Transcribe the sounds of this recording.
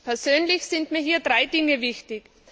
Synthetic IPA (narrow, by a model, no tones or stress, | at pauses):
pʰɛɐzøːnlɪçsɪntmiːɐɦiːɐdʁaɪdɪŋəvɪçtɪç